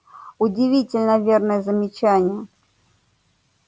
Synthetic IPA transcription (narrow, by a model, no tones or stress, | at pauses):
ʊdʲɪvʲitʲɪlʲnəvʲernəjəzəmʲɪt͡ɕænʲɪjə